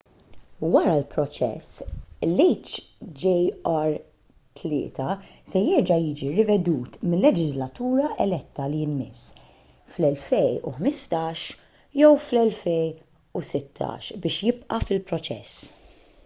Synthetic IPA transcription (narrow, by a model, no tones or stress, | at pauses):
wɐɾɐlpɾɔt͡ʃɛ̰slijt͡ʃd͡ʒɛɐɾ | t̪ʰlɪ̰ːt̪ʰɐsɛjɛɾd͡ʒɐjiːd͡ʒiɾɪvɛd̪uːt̪mɪlːɛd͡ʒɪzlɐt̪uːɾɐʔɛlɛt̪ːɐliɪnmɪs | flɛlfɛjṵħmɪst̪ɐːʃ | jɔwflɛlfɛj | usɪt̪ʰːɐ̰ːʃbɪːʃjɪbʔɐfɪlpɾɔt͡ʃɛ̰sː